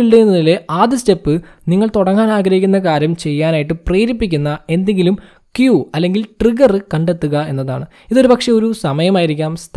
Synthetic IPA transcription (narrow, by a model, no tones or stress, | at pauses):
iɭɖejunːɐðile̞ʔaːd̪iste̞pːɨniŋːɐɭt̪uɽɐŋːaːnaːɡɾɐɦikʲːunːɐk̬aːɾjɐmt͡ɕe̞jːaːnaːjiʈ̬ːɨpreːɾipːikʲːunːɐe̞nd̪e̞ŋɡilum | kjuɐlːe̞ŋɡilʈriɡɐrɨkɐɳɖe̞t̪ːuɣɐe̞nːɐða̰ːɳɨ | iðo̞ɾupɐkʂeo̞ɾusɐmɐjɐmaːjiɾikʲːaːmst̪ʰ